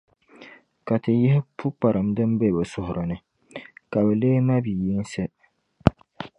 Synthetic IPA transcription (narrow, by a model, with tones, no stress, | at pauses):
ka˨tɨ˨jɪ˦hɪ˦pʰʊ˦k͡pa˨ɾʔɨ˨mdɨ˦mbe˦˨bɛ˨sʊ˦hʊ˨ɾʔɨ˨nɨ˦ | ka˨bɛ˨leː˦ma˦bi˨ji˦n˦sɛ˦